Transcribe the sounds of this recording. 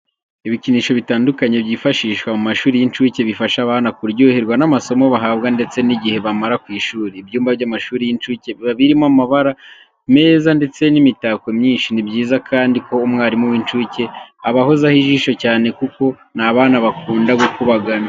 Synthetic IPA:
iβiciniːʃo̞βitaːndukaɲebjiːfaʃiːʃkwamumaʃuːɾijint͡ʃuːce̞βifaʃaβaːnakuɾɟoːheɾɡwanamaso̞mo̞βaɦaːbɡande̞t͡se̞niɟihe̞βamaɾakwiːʃuːɾiːbjuːmbavɟamaʃuːɾijint͡ʃuːce̞βaβiɾimoamaβaɾa | me̞ːzande̞t͡se̞nimitakwemɲiːnʃinibɟiːzakʰaːndiko̞ːmŋaːɾimuwint͡ʃuːce̞aβahozahiʒiːʃo̞caːne̞kuko̞naβaːnaβakuːndaɡukuβaɡana

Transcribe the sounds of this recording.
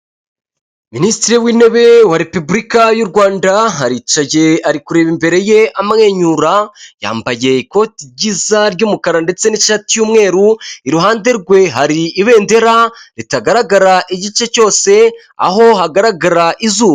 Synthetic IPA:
ministiɾiwiːne̞βe̞waɾe̞pubɾikajuɾɡwaːndaɦaɾit͡ʃaɟe̞aɾikuɾe̞ːβimbe̞ɾe̞je̞amaŋe̞ɲuɾaja̰ːmbaje̞iko̞tiɟizaɾɟuːmukaɾande̞t͡se̞niʃatijuːmŋe̞ːɾuiɾuɦaːnde̞ɾɡwe̞ɦaɾiːβe̞ːnde̞ɾaɾitaɡaɾaɡaɾaʔiɟit͡ʃe̞co̞ːse̞ | a̰ho̞ɦaɡaɾaɡaɾaʔizuː

